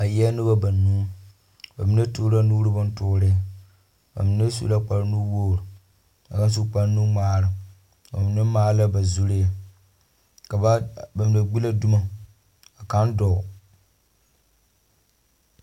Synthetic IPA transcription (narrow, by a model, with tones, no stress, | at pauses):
a˨jɛ˦nɨ˦ba˦ba˨nuː˦ | ba̰˨mi˨˦ne˦tu˦ɾa˦nu˦ɾɨ˦ba˦n˦tʊː˦ɾɪ˦˨ | ba̰˨mi˨ne˦sṵ˦la˦k͡pa˨ɾnu˦woː˦˨ɾu˨ | a˨ka˦n˦s̬u˦k͡pa˦ɾnu˦maː˦ɾɨ˨ | ba˨mi˨na˦maː˦la˦ba˨zu˦ɾɪ˦ja˨ | ka˨˦ba˨mi˨na˨ɡ͡bi˦la˦du˦ma˦ | a˨ka˦n˦dɔ˨ʊ˨